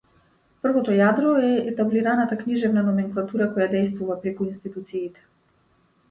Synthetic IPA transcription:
pr̩vɔt̪ɔjad̪ɾɔɛɛt̪abliɾanat̪akniʒɛvnanɔmɛŋklˠat̪uɾakɔjad̪ɛjs̬t̪vuvapɾɛkuinst̪it̪ut̪siːt̪ɛ̥

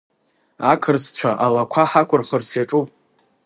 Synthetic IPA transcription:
akʰɨrt͡sʰt͡ʃʷʰaʔalakʷʰaħakʷʰʊrχərt͡sʰjaʈ͡ʂʼupʼ

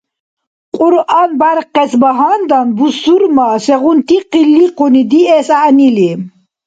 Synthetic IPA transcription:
qʼuɾʔanbaɾqɛsbaɦand̪anbusuɾmasɛʁunt̪ʰiqilːiqunid̪iɛsaʔnili

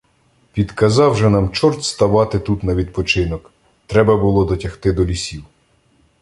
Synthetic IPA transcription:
pʲid̪kɐzɑwʒɛnɑmt͡ʃɔrt̪ʲst̪ɐʋɑt̪ɪt̪ut̪nɐʋʲid̪̚pɔt͡ʃɪnɔk | t̪ɾɛbɐbʊlˠɔd̪ɔtʲɐxt̪ɪd̪ɔlʲisʲiw

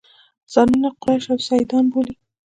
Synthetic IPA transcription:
z̥ɑnunaqwaʃawsɑjd̪ɑnboli

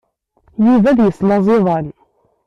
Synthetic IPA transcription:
juvæðjəslɑzˤeðˤɑn

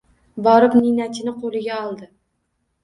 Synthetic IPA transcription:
bɒɾɪpninat̪ʰɪnɪqʰolˠɪɡʲaɒlˠd̪ɪ

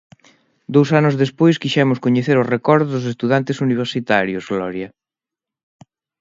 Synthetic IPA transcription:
d̪owsanʊzðespojskiʃɛmʊskoɲeθeɾʊrekɔɾðozðʊs̬est̪uðant̪ɪsuniβ̞eɾsit̪aɾjʊzɣlɔɾja

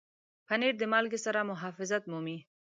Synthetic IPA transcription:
paneɾd̪əmalɡesaɾamʊɦɑfɪzat̪mumi

